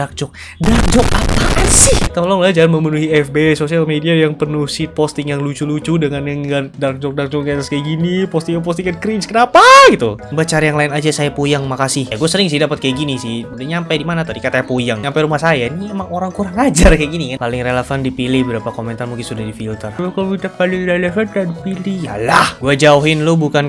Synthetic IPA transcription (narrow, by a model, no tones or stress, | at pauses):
ak̚d͡ʒɔk̚ | dak̚d͡ʒɔk̚apasɪht̪olɔŋlad͡ʒalanməmənuhiɛfbesosialmediajaŋpərnuhsit̪̚post̪ɪŋjaŋlut͡ʃulut͡ʃudəŋanjaŋɡadak̚d͡ʒɔk̚dak̚d͡ʒɔk̚ɡat̪askajɡinipɔst̪ɪŋjap̬ɔst̪ɪŋankɾinskənapaɡit̪ubat͡ʃaɾajaŋlaɪnad͡ʒasajapujaŋmakasɪhjaɡuasəɾɪŋs̬ɪhdapat̪̚kajaɡinisɪhudaɲampajdimanat̪adikat̪aapujaŋampaɾumahsajainimemaŋoɾaŋkuɾaŋad͡ʒarkajaɡinikapalɪŋreləfandipilɪhbəɾapakomɛnt̪armuŋkɪnsudahdifilt̪əralakaloɡitakalireləfankadipilija̰lahɡuad͡ʒauɦɪnlʊbukan